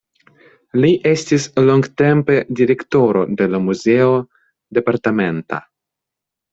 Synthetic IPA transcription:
liʔestisloŋɡt̪empe̞diɾekt̪oɾo̞d̪e̞lamuzeo | d̪e̞paɾt̪ament̪a̰

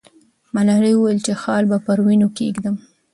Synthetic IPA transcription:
malɑɾewuwajəlt͡ʃexɑlbapəɾwinokeɡd̪əm

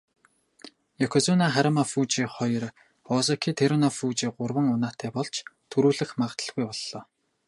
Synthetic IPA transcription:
jakʰɔt͡sɔnaːχæɾamafuːt͡ɕiːχɔjɞ̆r | ɔsɔkʰiːt̪ʰeɾɔnafuːt͡ɕiːɢʊrwə̆ŋʊnaːt̪ʰæːpɔɮt͡ɕʰt̪ʰɵɾuːɮɘ̆xmaʁə̆t̪ə̆ɮɣujpɔɮːɔː

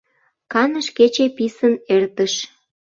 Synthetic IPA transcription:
kɑnəʃket͡ɕepisənert̪əʃ

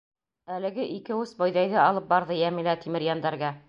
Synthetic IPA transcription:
ælɘ̆ɡɘʔikɘwɘsbɒjðɑjðɘɑlˠɤp̚bɑɾðɤjæmilæt̪imɘ̆ɾjɑnd̪ɑɾɡɑ

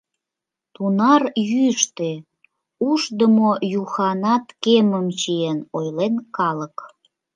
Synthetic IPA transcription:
t̪unɑrjyʃt̪e | uʃd̪əmojuxɑnɑt̪keməmt͡ɕienojlenkɑlək

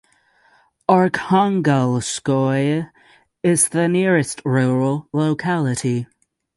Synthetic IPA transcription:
ɑɹkʰɑ̃ŋɡəlˠskɔɪ | ɪzðɨnɪɹɨst̚ɹuɹəl̩ˠloʊkʰælˠɨɾi

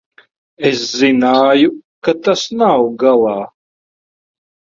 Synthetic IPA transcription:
eszinaːjukat̪asnawɡalˠaː

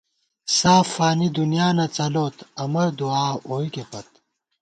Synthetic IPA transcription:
saːfaːnid̪unijaːnɐt͡sɐloːt̪ɐmɐɾd̪uaːoːikepɐt̪̚

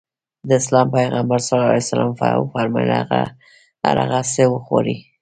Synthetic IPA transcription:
d̪əɪslɑmpajɣambaɾsalɑla̰jsalɑ̰mfa̰faɾmɑlaɣa | a̰ɾa̰ɣasewəxo̰ɾi

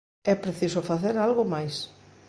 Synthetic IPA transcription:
ɛpɾeθisofaθeɾalɣomajs

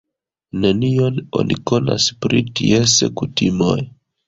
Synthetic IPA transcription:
nenio̞no̞̰nʔiko̞na̰spɾitiesḛkutimo̞j

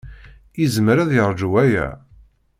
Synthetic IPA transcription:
izmɾæðjəɾˤd͡ʒuwæjæ̰

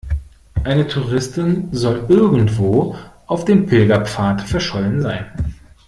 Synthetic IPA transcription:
ʔaɪnətʰuːʁɪstɪnzɔlʔɪɐɡŋ̩tv̥oːʔaʊfd̥eːmpʰɪlɡɐpp͡faːtfɛɐʃɔlənzaɪn

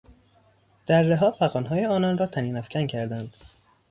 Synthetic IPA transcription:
d̪̥æɾːeɦɒːfæɣɒːnɦɒːjeɒːnɒnɾɒːt̪ʰæniːnæfcʰæncʰæɾd̪ænd̪̥

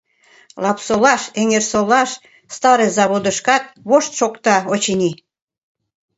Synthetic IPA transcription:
lɑpsolɑʃeŋersolɑʃ | st̪ɑɾezɑβod̪əʃkɑt̪̚βoʃt̪ʃokt̪ɑot͡ɕinʲi

